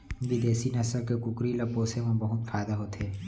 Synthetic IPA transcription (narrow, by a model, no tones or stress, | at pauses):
ʋɪd̪eːsinɐsəɾkekʊkɾilɐpoːsemẽbɐɦʊt̪faːɪd̪aɦoːt̪eː